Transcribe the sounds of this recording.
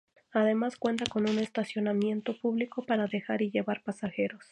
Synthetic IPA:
aðe̞maskwe̞nt̪ako̞nune̞st̪asjo̞namje̞nt̪o̞puβliko̞paɾaðe̞xaɾiʝe̞βaɾpasaxe̞ɾo̞s

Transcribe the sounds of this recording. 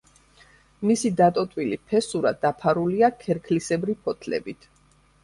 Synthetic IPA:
misid̪at̪ʼɔt̪ʼwilipʰɛsuɾad̪apʰaɾuliakʰɛɾkʰlisɛbɾipʰɔt̪ʰlɛ̰bit̪ʰ

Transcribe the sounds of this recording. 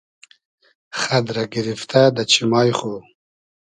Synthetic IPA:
χad̪ɾaɡiɾift̪ad̪at͡ɕʰimɑːjχo

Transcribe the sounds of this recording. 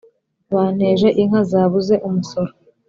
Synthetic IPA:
βaːn̥he̞ːʒe̞ʔiŋ̥hazaːβuze̞ʔumuso̞ɾo

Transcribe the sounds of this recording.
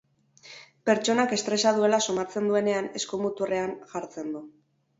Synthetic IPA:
pe̞ɾt͡ʃo̞nake̞st̪ɾe̞saðue̞laso̞mat͡se̞nd̪ue̞ne̞ane̞skomut̪ure̞anʝaɾt͡se̞nd̪u

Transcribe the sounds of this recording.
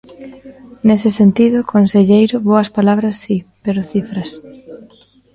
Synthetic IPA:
nesɪsent̪iðʊkʰonseʎejɾʊβoɐspalaβ̞ɾɐsːipeɾʊθifɾɐs

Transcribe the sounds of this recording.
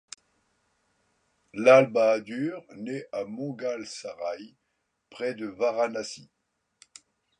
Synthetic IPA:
lalbaːd̪yːʁneʔamɔ̃ɡalsaʁaj | pχɛd̪əvaʁanasi

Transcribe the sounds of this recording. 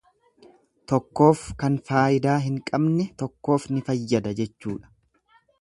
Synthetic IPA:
t̪ɔkːo̞ːfkɐnfaːʔɪd̪aːɦɪŋkʼɐbnɛt̪ɔkːo̞ːfnɪfɐjːɐd̪ɐd͡ʒɛt͡ʃːuːᶑɐ̥

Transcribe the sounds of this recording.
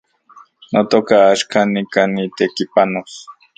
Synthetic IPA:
not̪okaːʃkanikanit̪ekipanos

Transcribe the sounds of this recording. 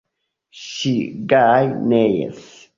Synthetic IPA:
ʃiɡajnejɛ̰s

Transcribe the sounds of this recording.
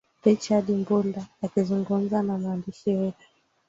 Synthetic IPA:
ɾit͡ʃaɗimbuldaːkizuŋɡum̩zanamwandiʃiwɛtu̥

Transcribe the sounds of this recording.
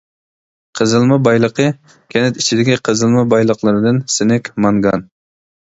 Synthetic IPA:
qʰəzɨlˠmɨbɑjlˠəqə | kʲʰɛnɪt̪it͡ʃʰid̪ɪkʲiqʰəzɨlˠmɨbɑjlˠəqlˠɨɾɨd̪ɨnsɪnɪkʲmɑŋɡɑn

